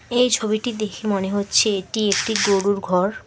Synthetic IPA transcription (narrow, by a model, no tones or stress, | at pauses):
ejt͡ɕʰobiʈid̪ekʰemoneɦotːɕʰeeʈiek̚ʈiɡoɾuɾɡʱɔɾ